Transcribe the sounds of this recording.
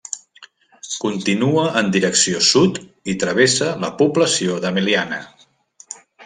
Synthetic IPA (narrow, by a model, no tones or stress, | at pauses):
kunt̪inuəʔːnd̪iɾəksiosut̪it̪ɾəβ̞esələpubləsioðəmilianə̰